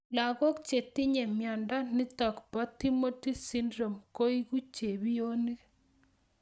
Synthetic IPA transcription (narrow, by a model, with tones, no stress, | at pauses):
la˨ɣo˦k̚t͡ʃe˨ti˦ɲe˨mja˨nda˦ni˦t̪ɔ˨kpa˦t̪i˦mo˦ti˦si˦ndɾo˨mko˦i˦ɣu˦t͡ʃe˨βi˦o˦ni˦